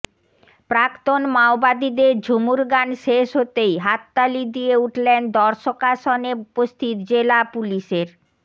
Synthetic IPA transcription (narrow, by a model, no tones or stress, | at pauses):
pɾakt̪onmaobad̪id̪eɾd͡ʑʱumuɾɡanʃeʃɦot̪ejɦat̪ːalid̪ieuʈlend̪ɔɾʃokaʃɔneupost̪ʰit̪d͡ʑelapuliʃeɾ